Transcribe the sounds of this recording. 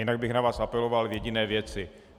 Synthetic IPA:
ɪnaɡ̚bɪxnavaːsapɛlovalvjɛɟɪnɛːvjɛt͡sɪ

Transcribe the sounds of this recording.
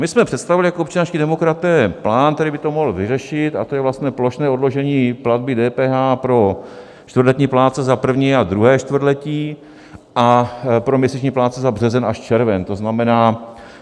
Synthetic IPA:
mɪsmɛpr̥ɛt̪st̪avɪlɪjakoopt͡ʃanaːfscidɛmo̞kɾat̪ɛːplaːnt̪ɛɾɪbɪt̪o̞moɦl̩vɪrɛʃɪt̪at̪o̞jɛvlast̪ɲɛːplo̞ʃnɛːodlo̞ʒɛɲiːpladbɪdɛːpɛːɦaːpɾo̞ | t͡ʃt̪vr̩dlɛt̪ɲiːplaːt͡sɛzapr̩vɲiːad̪ɾuɦɛːʃt̪vr̩d̪lɛciː | ʔapɾomɲɛsit͡ʃɲiːplaːt͡sɛzabr̝ɛzɛnaʃt͡ʃɛɾvɛnt̪o̞znamɛnaː

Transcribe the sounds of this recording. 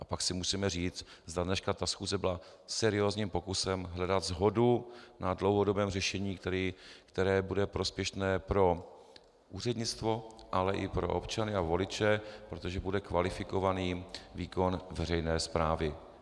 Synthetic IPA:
ʔapaksɪmusiːmɛriːt͡s̪zd̪adnɛʃkat̪asxuːzɛbɪla | sɛɾɪo̞ːzɲiːmpo̞kusɛmɦlɛdat̪zɦo̞dunadlo̞wɦo̞do̞bɛːmrɛʃɛɲiːikt̪ɛɾɛːbudɛpɾo̞spjɛʃnɛːpɾo̞ | ʔuːr̝ɛdɲɪt͡st̪vo̞ʔalɛʔɪpɾo̞̰ʔo̰pt͡ʃanɪavo̞lɪt͡ʃɛpɾo̞t̪o̞ʒɛbudɛkvalɪfɪko̞vaniːviːko̞nvɛrɛjnɛːspɾaːvɪ

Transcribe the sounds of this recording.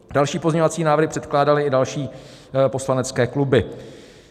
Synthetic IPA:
d̥alʃiːpo̞zɲovat͡siːnaːvɾrɾɦɪpr̥ɛt̪klaːdalɪɪdalʃiː | po̞slanɛt͡skɛːklubɪ

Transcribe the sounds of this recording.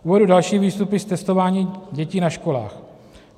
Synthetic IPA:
ʔuːvɛdudalʃiːviːst̪upɪst̪ɛst̪o̞vaːɲiːɟɛciːnaʃkola̰ːx

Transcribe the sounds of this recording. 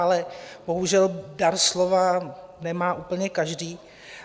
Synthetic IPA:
alɛbo̞ɦuʒɛldaɾslovanɛmaːʔuːpl̩ɲɛkaʒdiː

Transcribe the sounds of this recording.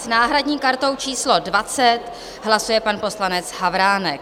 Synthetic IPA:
snaːɦɾadɲiːkaɾt̪o̞wt͡ʃiːslo̞dvat͡sɛt̪ | ɦlasujɛpanpo̞slanɛt͡sɦavɾaːnɛk

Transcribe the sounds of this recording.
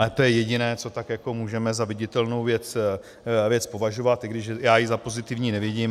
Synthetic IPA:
ɛt̪ojɛjɛɟɪnɛːt͡so̞t̪akjako̞muːʒɛmɛzavɪɟɪt̪ɛlno̞wvjɛt͡s | vjɛt͡spo̞vaʒovat̪ʔɪɡdɪʃɛjaːjɪzapo̞zɪt̪ɪvɲiːnɛvjɛɟɪm

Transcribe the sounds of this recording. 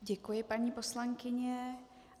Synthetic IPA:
ɟɛkujɪpaɲiːposlaŋkɪɲɛ

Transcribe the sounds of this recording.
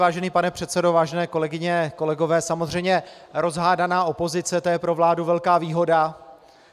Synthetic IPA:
vaːʒɛniːpanɛpr̥ɛt̪sɛdo̞vaːʒɛnɛːko̞lɛɡɪɲɛko̞lɛɡo̞vɛːsamo̞zr̝ɛjmɲɛɾo̞zɦaːdanaːʔo̞po̞zɪt͡sɛt̪ojɛpɾo̞vlaːduvɛlkaːviːɦo̞da

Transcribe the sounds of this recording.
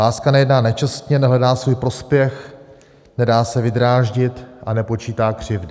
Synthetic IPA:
aːskanɛjɛdnaːnɛt͡ʃast̪ɲɛnɛɦlɛdaːsvuːjpɾo̞spjɛx | nɛdaːsɛvɪd̪ɾaːʒɟɪt̪ʔanɛpo̞t͡ʃiːt̪aːkr̝̥ɪvdɪ

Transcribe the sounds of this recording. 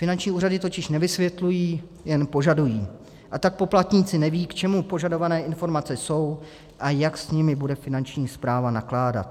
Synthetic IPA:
fɪnant͡ʃɲiːuːradɪt̪o̞cɪʃnɛvɪsvjɛt̪lujiː | jɛnpo̞ʒadujiː | ʔat̪ak̚po̞plat̪ɲiːt͡sɪnɛviːkt͡ʃɛmupo̞ʒado̞vanɛːʔɪnfo̞ɾmat͡sɛso̞w | ʔajaksɲɪmɪbudɛfɪnant͡ʃɲiːspɾaːvanaklaːda̰t̪̚

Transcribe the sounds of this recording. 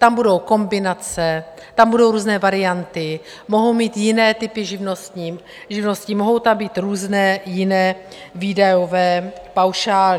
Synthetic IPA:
t̪ambudo̞wko̞mbɪnat͡sɛ | t̪ambudo̞wɾuːznɛːvaɾɪjant̪ɪ | mo̞ɦo̞wmiːt̪jɪnɛːt̪ɪpɪʒɪvnost̪ɲiː | ʒɪvno̞scimo̞ɦo̞wt̪ambiːt̪ɾuːznɛːjɪnɛːvidajovɛːpawʃaːlɪ

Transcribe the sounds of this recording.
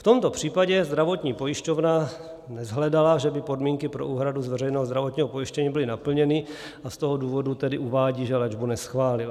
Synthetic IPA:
ft̪o̞mt̪o̞pr̝̥iːpaɟɛzd̪ɾavo̞t̪ɲiːpo̞jɪʃco̞vna | nɛzɦlɛdalaʒɛbɪpo̞dmiːŋkɪpɾoʔuːɦɾaduzvɛrɛjnɛːɦozd̪ɾavot̪ɲiːɦopo̞jɪʃcɛɲiːbɪlɪnapl̩ɲɛnɪ | ʔast̪oɦoduːvo̞dut̪ɛdɪʔuvaːɟiːʒɛlɛd͡ʒbunɛsxvaːlɪl

